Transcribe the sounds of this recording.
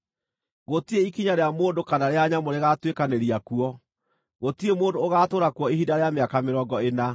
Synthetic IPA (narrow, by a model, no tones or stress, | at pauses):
ɣotieikiɲaɾeamoːndokanaɾeaɲamoɾeɣatwekaneɾiakuɔ | ɣotiemoːndoːɣatoːɾakuɔiɦidaɾeameakameɾɔːɡɔena